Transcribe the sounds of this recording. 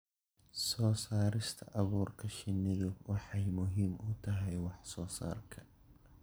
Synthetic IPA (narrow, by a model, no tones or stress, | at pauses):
sɔːsaːɾɪst̪ʰɐ̰ʔɐβuːrkʰɐʃɪnɪɣɔwʔɑħɑjmʊɦiːmʔʊt̪ʰɐɦɛjwɑħsɔːsa̰ːrkʰɐ